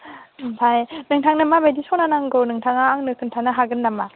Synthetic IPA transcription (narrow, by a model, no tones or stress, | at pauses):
mpʰajnɯŋtʰaŋnɯmabejdisɔknanaŋɡɯnɯŋtʰaŋaːŋnɯkʰɯntʰanɯɦaɡɯnːama